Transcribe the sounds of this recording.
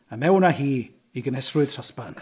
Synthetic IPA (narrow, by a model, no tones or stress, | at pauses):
amɛwnahiː | iɡənɛsrʊɨð̥sʰɔspan